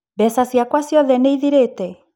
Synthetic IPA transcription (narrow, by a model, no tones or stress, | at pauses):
bɛsasiakwasjɔðenejðiɾet̪e